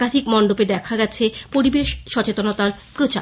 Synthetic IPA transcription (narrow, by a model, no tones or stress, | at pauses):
ad̪ʱikmɔɳɖoped̪ɛkʰaɡɛt͡ɕʰepoɾibeʃʃɔt͡ɕet̪onot̪aɾpɾot͡ɕa̰